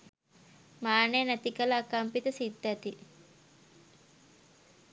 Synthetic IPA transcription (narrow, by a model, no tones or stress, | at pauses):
maːneːnɐt̪ikɐlaːkampit̪əsid̪ːæt̪i